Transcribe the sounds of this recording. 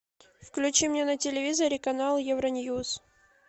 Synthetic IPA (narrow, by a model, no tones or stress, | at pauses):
fklʲʉt͡ɕimʲnʲenətʲɪlʲɪvʲizəɾɪkɐnalˠjɛvɾɐnʲjus